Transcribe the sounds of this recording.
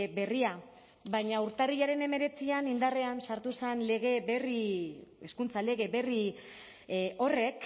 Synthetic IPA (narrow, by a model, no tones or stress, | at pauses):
be̞ria | bajɲauɾt̪ariʎaɾe̞ne̞me̞ɾe̞t͡sianind̪areansaɾt̪usenle̞ɣ̞e̞βerieskunt͡sale̞ɣ̞e̞βe̞ri | o̞re̞k